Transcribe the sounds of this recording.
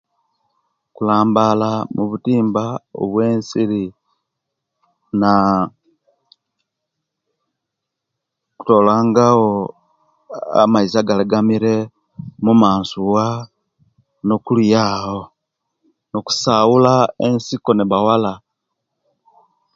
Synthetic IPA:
kulaːmbalamuβutiːmbao̰βwe̞ːnsiɾi | na | ku̥to̞laːŋɡawo | a̰maizaɡaliɡamiɾe̞ | mumaːnsuwa | no̞kuljaːho | noku̥sawulaensiko̞niβawala

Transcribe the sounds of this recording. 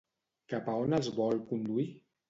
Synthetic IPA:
kapaonəzβɔlkund̪ui

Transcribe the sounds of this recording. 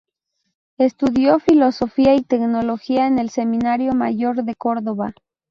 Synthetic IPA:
e̞st̪uðjo̞filo̞so̞fiait̪e̞kno̞lo̞xiaene̞lse̞mĩnaɾjo̞ma̰ʝo̞ɾðe̞ko̞ɾðoβa

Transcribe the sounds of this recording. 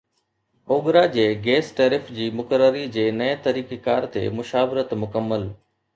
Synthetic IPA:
oːɠɾad͡ʑeːɡeːsʈeːɾɪfd͡ʑiːmʊkəɾəɾid͡ʑeːnɐet̪ɐɾiːkekaːɾt̪ḛːmʊʃaːʋɪɾət̪mʊkəmːəl

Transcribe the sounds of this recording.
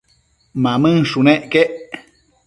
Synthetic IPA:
mãmɨ̃ŋʃuneʔkeʔ

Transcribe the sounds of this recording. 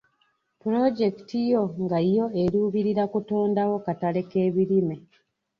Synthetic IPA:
puɾo̞ɟe̞ki̥tijo̞ŋɡaijo̞eɾuːβiɾiɾakutoːndawo̞katale̞ke̞ːβiɾime̞

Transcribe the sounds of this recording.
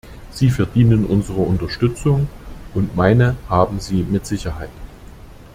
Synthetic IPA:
z̥iːfɛɐdiːnənʔʊnzəʁ̞əʊntɐʃtʏt͡sʊŋʔʊntmaɪnəhaːbm̩ziːmɪtz̥ɪçɐɦaɪt

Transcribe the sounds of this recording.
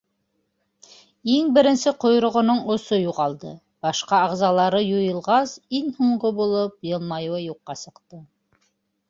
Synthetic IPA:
iŋbɘ̆ɾɘ̆nsɘqŏjɾŏʁŏnoɴŏsojuʁɑlˠd̪ɤ | b̥ɑʃqɑɑʁzɑlˠɑɾɤjujɤ̆lˠʁɑsiŋhuɴɢobulˠop̚jɤ̆lˠmɑjuwɤjuqːɑsɤ̆qt̪ɤ

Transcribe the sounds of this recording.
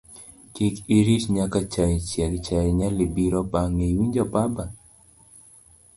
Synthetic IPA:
kikiɾisɲakat͡ʃaɛt͡ʃjɛkt͡ʃaɛɲalibiɾɔpaŋewiɲd͡ʒɔpaba

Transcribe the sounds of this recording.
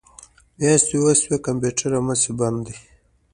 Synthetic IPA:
mjast̪iwaswekampuʈaɾamasiband̪d̪i

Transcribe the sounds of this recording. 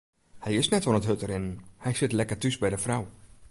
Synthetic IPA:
hɛjɪsnɛtʋɔlˠətɦøtəɾɪnhɛjsɪtlɛkərtysbɛjdəfraw

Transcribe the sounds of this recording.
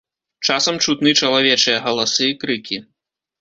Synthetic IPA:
t͡ʂasɐmt͡ʂut̪nɨt͡ʂɐlˠavʲɛt͡ʂɨjɐɣɐlˠasɨːkɾɨkʲi

